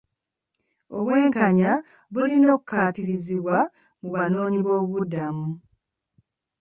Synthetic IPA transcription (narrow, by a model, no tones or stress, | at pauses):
o̞̰βwe̞ːŋkaɲa | βulino̞ːkukaːtiɾiziβwa | muβano̞ːɲiβo̞ːβudːamu